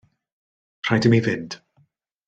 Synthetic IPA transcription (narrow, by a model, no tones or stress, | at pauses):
pʰr̥ajdəmivɪnd̥